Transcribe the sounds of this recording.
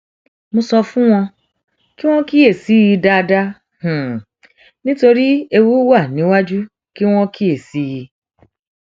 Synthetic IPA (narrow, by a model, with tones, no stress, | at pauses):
mõ˧sɔ˧fũ˦w̃ɔ̃˧ | ki˦w̃ɔ̃˦ki˦e˦˨si˨˦ji˧da˦˧da˦ | h̩˨ | nĩ˦to˧ɾi˦e˧wu˦wa˦˨nĩ˨˦wa˦d͡ʒu˦ | ki˦w̃ɔ̃˦ki˦e˦˨si˨˦ji˧